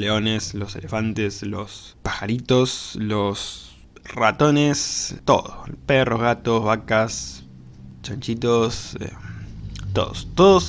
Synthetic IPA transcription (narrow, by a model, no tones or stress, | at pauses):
leo̞nesloselefant̪eslos | paxaɾit̪oslos | rat̪onest̪o̞̰ðoperoɦɣat̪ozβakas | t͡ʃant͡ʃit̪osḛ | t̪o̞̰ðost̪oðos